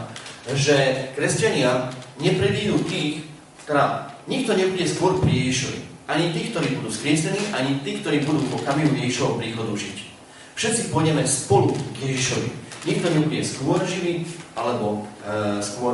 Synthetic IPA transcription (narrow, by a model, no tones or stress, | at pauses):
ʒɛkɾɛscaɲɪaɲɛpɾɛbiːɦuːt̪iːx | t̪ɛɾaɲik̚t̪ɔɲɛbuɟɛskʊɔɾpɾijɛʒiʃɔʋḭaɲit̪iːk̚t̪ɔɾiːbud̪uːskɾɪɛsɛniːʔaɲit̪iːk̚t̪ɔɾiːbud̪uːpɔkamiujɛʒiʃɔʋɔpɾiːxɔd̪uʒic | fʃɛt̪t͡sipɔɲɛmacspɔluɡjɛʒiʃɔʋḭɲik̚t̪ɔɲɛbuɟɛskʊɔɾʒiʋialɛbɔ | skʊɔ